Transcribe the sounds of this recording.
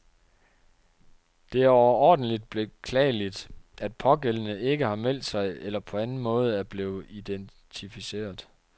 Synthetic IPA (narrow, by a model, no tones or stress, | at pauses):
d̥e̝æɐɒʊɐɒ̰ːd̥n̩lid̥̚b̥e̝kʰlɛ̰ːlid̥æd̥̚pʰɒ̽ɡ̥elənəe̝ɡ̥əhɑ̈mel̰d̥sɑ̈ɪelɐpʰɒ̽ænn̩mɔ̽ːð̞ˠæɐb̥le̝ːð̩ˠid̥en | t͡sʰifise̝̰ːɐð̩ˠ